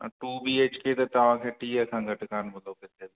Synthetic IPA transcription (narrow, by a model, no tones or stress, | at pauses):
ʈuːbiːeːt͡ʃket̪ɐt̪ɐʋ̤ãːkʰeːʈiːəkʰãːɡʱɐʈkaːnmɐd̪oːkɪt̪ed̪